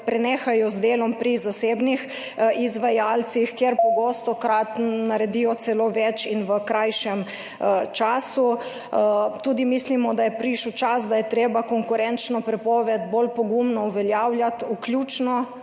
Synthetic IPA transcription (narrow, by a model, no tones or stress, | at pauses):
pɾɛneːxajɔzd̪eːlɔmpɾizaseːbnix | izʋajalt̪sixkjeɾpɔɡost̪ɔkɾat̪naɾɛd̪ijɔt̪sɛloːʋɛt͡ʃinʋəkɾajʃɛm | t͡ʃaːsu | t̪uːd̪imislimɔd̪ajɛpɾiʃuwt͡ʃasd̪ajɛt̪ɾeːbakɔŋkuɾɛnt͡ʃnɔpɾɛpɔːʋɛd̪bolpɔɡumnɔuʋɛljawljat̪ukljuːt͡ʃnɔ